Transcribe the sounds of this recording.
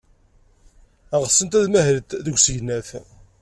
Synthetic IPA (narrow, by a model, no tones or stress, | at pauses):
æʁəsənt̪æðmæhəɾt̪ðəɡʷsəʝnæθ